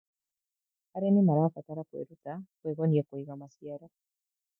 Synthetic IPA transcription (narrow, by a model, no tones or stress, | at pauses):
aɾenimaɾafataɾakwḛɾutakweɣoniakwiɣamasjaɾa